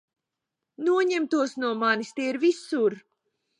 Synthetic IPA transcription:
nuɔɲɛmt̪uɔsnuɔmanist̪ɛːiɾvisuɾ

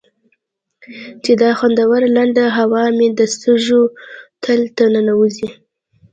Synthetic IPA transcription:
t͡ʃed̪ɑxwand̪awaɾlaɳɖaɦawɑmed̪əst̪əʒot̪ʰəlt̪anənawuzi

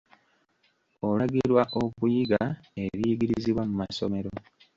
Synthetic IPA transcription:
olaɡiɾwaʔokujiɡae̞βiːɡiɾiziβwamumaso̞̰me̞ɾo

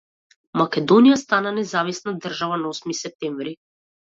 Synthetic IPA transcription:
makʲɛd̪ɔnijast̪ananɛzavisnad̪r̩ʒavanaɔsmisɛp̚t̪ɛɱvɾi

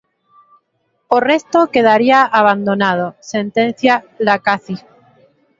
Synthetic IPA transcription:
orest̪okeð̞aɾiaʔaβ̞and̪onað̞osent̪ẽn̟θja | lakaθi

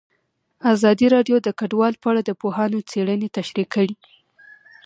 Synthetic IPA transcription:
azɑd̪iɾɑɖjod̪əkaɖwɑlpəaɽad̪əpoɦɑnot͡seɽənet̪aʃɾikəɽi

